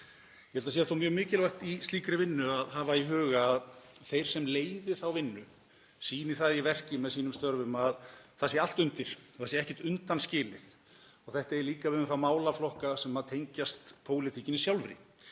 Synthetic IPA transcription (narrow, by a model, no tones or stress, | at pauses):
jɛhɛlt̪asɛaθowmjœːɣmɪːcɪlvajht̪ist̪liːkɾɪvɪnːʏaðɦavaiɦœːɣaːðθejɾ̥sɛmleːjðɪθawvɪnːʏ | siːnɪθaðjɛvɛr̥cɪmɛðsiːnʏmst̪œɾvʏmaðθasjɛal̥t̪ʏnt̪ɪɾ̥ɔθasjɛɾɛhcɛht̪ʏnt̪anscɪːlɪθ | ɔɣθɛht̪aɛɾliːkavɪðʏθamaːwlaflɔhkasɛmaðt̪ʰejɲcast̪pʰoːwlɪt̪ʰicɪnɪsjawlvɾɪ̰